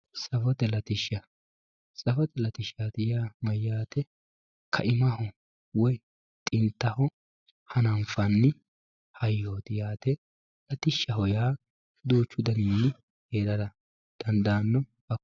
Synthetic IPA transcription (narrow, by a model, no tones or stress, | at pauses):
sɐfɔt̪ɛlɐt̪ɪʃːɐ | sʼɐfɔt̪ɛlɐt̪ɪʃaːt̪ɪjaːmɐjːaːt̪ɛ | kʰɐ̰ʔɪmɐhɔ | wɔj | t̪ʼɪnt̪ːɐhɔ | hɐnɐmfɐnːɪ | hɐjːoːt̪ɪjaːt̪ɛ | lɐt̪ɪʃːɐɦɔjaː | d̪uːt͡ʃːʊd̪ɐninːɪ | heːd̪ɐd̪ɐ | d̪̥ɐnd̪aːnːɔ | ɐ